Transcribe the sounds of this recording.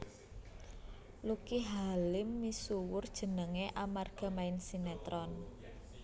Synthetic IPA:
lukiɦalɪmːisuwʊrd̥ʒ̥ə̤nəŋeʔamarɡ̥a̤maɪnsinet̪ɾɔn

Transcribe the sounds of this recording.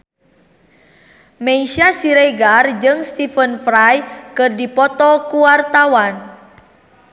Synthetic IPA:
meiʃasiɾɛɡard͡ʒɨŋst̪ifənfɾajkɨrdipɔt̪ɔkuwart̪awan

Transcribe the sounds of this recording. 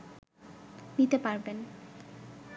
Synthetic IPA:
nit̪epaɾben

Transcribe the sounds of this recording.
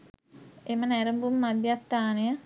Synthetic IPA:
emənɛɾəmbumːad̪ːjat̪ːaːnejə

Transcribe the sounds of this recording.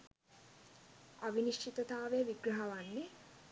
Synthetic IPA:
aʋiniʃt͡ʃit̪ət̪aːʋeəʋiɡɾɐɦɐʋanːe

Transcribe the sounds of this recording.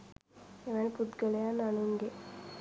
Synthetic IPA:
eʋanipud̪ɡəlejanːanuŋɡe

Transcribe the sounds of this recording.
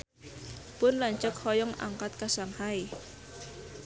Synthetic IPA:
pʊnlaɲt͡ʃək̚hɔjɔŋa̰ŋkat̪̚kasaŋhai

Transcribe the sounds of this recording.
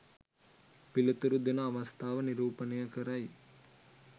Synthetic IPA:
pilut̪uɾud̪enɐːʋɐst̪ʰaːʋəniɾuːpənɐjəkəɾaj

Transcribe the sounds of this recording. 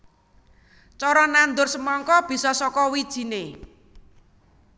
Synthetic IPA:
t͡ʃɔɾɔnand̪ʊrsəmɔŋkɔb̥i̤sɔsɔkɔwid̥ʒ̥i̤ne

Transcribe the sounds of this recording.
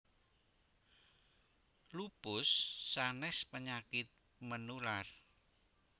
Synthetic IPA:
lupʊsːanɛspəɲakɪt̪̚ | mənular

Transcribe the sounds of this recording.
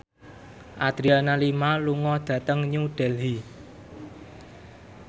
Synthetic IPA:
ʔad̪̥ɾianalimaluŋɔd̪̥ä̤t̪əŋɲuɖ̥ɛlɦi

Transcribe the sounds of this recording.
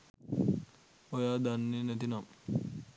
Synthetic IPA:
ojaːd̪anːinet̪inam

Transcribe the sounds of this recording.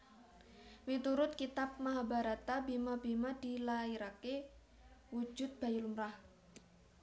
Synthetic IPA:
wit̪uɾʊt̪̚kit̪ap̚maɦabaɾat̪abemabemad̪̥ilaiɾake | wu̥d͡ʒʊ̤t̪̚b̥a̤julumɾah

